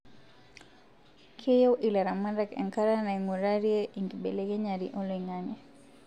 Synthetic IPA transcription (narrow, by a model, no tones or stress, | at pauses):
kʰejoʔilaɾamandakɛ̰ŋkaɾanaiŋuɾaɾjeʔiŋɡibeleɡeɲaɾḭʔɔliŋaŋɛ